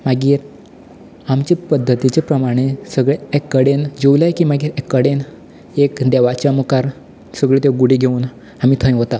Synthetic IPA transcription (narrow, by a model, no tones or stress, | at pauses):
maɡiːɾ | amt͡ɕepəd̪ʱːət̪it͡ɕepɾəmaɽ̃esəɡɭeekːəɽend͡ʑeulajkimaɡiːɾekːəɽen | ekd̪eʋat͡ɕjamukaɾ | səɡɭet̪eɡuɽiɡʱeuːn | amiːt̪ʰə̃j̃ɦot̪a